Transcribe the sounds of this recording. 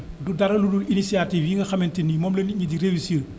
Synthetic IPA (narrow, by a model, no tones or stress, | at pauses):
dudɐɾɐludulinisiatiːfjiŋɡɐxɐmɛntinːimɔːmleniɲidiɾewisiə